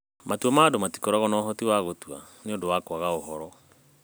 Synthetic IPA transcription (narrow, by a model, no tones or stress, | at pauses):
matuɔmaːdomati̥koɾaɣɔnɔːɦɔtiwaɣotua̰neondowakwaɣaohɔɾɔ